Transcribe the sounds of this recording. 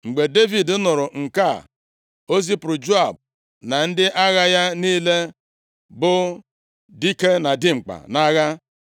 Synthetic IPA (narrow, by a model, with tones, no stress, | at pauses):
ŋ͡m̩˨ɡ͡be˨de˦vi˨dʊ˦nʊ˨ɾʊ˨ŋ̩˨ka˦˨ | o˦zi˦pʊ˨ɾʊ˨d͡ʒo˦a˨b̚ | na˨n̩˦dɪ˦ʔa˦ɣa˦ja˦niː˦le˦ | bʊ˦ | di˦ke˦na˨di˦ŋ͡m̩˨k͡pa̰˨na˦ɣa˦